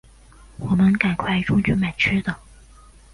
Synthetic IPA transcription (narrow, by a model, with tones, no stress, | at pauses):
wɔ˨˩mə˧˥nka˨˩nkʰwa˥˩ɪʈ͡ʂʊ˥ŋt͡ɕy˧˥ma˨˩ɪt͡ɕʰy˥d̪ə˨